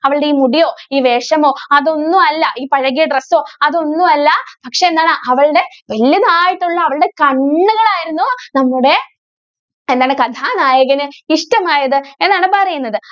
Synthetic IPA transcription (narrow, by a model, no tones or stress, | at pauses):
ɐʋɐɭɨɽeiːmuɽijo̞ːiːʋe̞ːʂɐmo̞ːɐðo̞nːuɐlːɐʔiːpɐɻɐɣijɐɖreso̞ːɐðo̞nːuɐlːɐpɐkʂe̞ːnːaːɳaʔɐʋɐɭɨɽe̞ʋɐljɐnaːjiʈːuɭːɐːʋɐɭɨɽe̞kɐɳːuɣɐɭaːjiɾunːunɐmːuɽe̞ | end̪aːɳɨkɐt̪ʰaːnaːjɐɡɐnɨiʂʈɐmaːjɐðɨe̞nːaːɳɨpɐrɐjunːɐðɨ